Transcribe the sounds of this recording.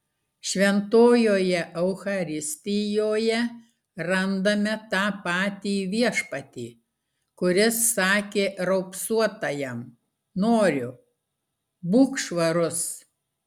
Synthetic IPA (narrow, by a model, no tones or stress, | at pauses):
ʃʲʋʲɛnt̪oːjoːjɛʔɛʊxɐɾʲɪsʲt̪ʲɪjoːjɛ | ɾɐnd̪ɐmʲɛt̪ɑːpɑːt̪ʲiːʋʲiɛʃpɐt̪ʲiː | kʊɾʲɪsːɑːkʲeːɾɐʊpsuɔt̪ɐjɛm | noːɾʲʊ | buːkʃʋɐɾʊs